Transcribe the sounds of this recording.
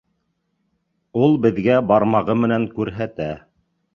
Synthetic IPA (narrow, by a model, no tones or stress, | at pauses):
ulˠbɘ̆ðɡæbɑɾmɑʁɤmɘ̆næŋkʉɾɦæt̪æ